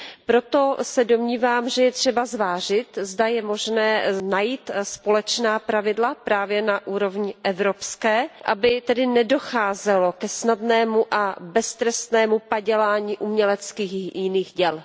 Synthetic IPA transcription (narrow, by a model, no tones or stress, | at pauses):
pɾot̪o̞sɛdo̞mɲiːvaːmʒɛjɛt̪r̥ɛbazvaːrɪt̪zdajɛmo̞ʒnɛːnajiːt̪spo̞lɛt͡ʃnaːpɾavɪdlapɾaːvjɛnaʔuːɾo̞vɲɪʔɛvɾopskɛːʔa̰bɪt̪ɛdɪnɛdo̞xaːzɛlo̞kɛsnadnɛːmuʔabɛst̪ɾɛst̪nɛːmupaɟɛlaːɲiːʔumɲɛlɛt͡skiːxjɪniːxɟɛl